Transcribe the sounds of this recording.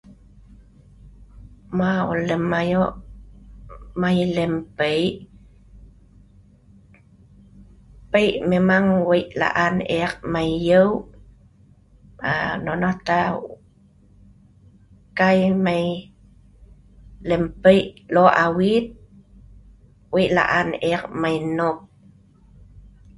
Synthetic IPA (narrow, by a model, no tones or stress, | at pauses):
mao̰ləmajoʔ | majləmpəjʔ | pəjʔmemaŋwəjʔla̰ʔanʔeak̚majːəw | a̰nonɔt̪a | kajmaj | lempəjʔloʔawit̪̚ | wəjʔla̰ʔanʔek̚majnop̚